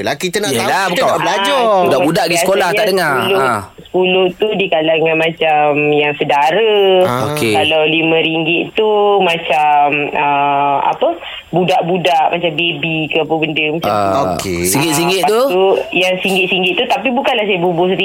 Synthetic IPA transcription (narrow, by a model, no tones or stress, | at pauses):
əlakit̪ənaʔlabukt̪anabəlad͡ʒɔudambudaʔdiəkolaht̪aʔdəŋaulo | sə̥pulʊht̪udikalaŋãnmãt͡ʃamjaŋsədaɾəokekalawlimə̃ɾiŋɡɪʔ̪t̪umat͡ʃaməa̰pə | budaʔbudaʔmat͡ʃambebikəapəbəndəmat͡ʃaokḛsiŋɡɪsiŋɡɪt̪t̪uujaŋsiŋɡɪt̪̚siŋɡɪt̪̚ːut̪apibukanlahs̬ajəbubʊs̬ət̪i